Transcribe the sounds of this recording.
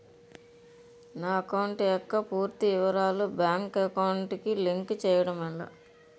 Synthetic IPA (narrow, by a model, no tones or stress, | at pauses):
naːɐkɐwɳʈjɔkːɐpuːɾt̪iɪʋɐɾaːlubjaːŋkɐkɐwɳʈikiliŋkt͡ʃɛːjɐɽɐmɐlːa̰